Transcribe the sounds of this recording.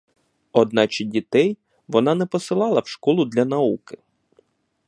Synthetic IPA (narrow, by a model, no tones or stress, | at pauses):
ɔd̪̚nɑt͡ʃɪdʲit̪ɛj | ʋɔnɑnɛpɔsɪlˠɑlˠɐwʃkɔlˠʊd̪lʲɐnɐukɪ